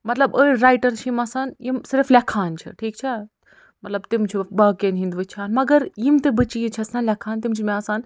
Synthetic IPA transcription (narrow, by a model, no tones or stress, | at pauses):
mɐt̪lɐbəːɾaːjʈɐɾt͡ʃʰimɐsaːnjimsɪɾflɐkʰaːnt͡ʃʰḭʈʰiːk̚t͡ʃʰɐ | mɐt̪lɐbt̪imt͡ʃʰibɐːkeːnɦind̪ʋɨt͡ʃʰaːnmɐɡɐɾjimt̪ɨbɨt͡ʃiːit͡ʃʰɐsanlʲɐkʰaːnt̪imt͡ʃʰimẽɐsaːn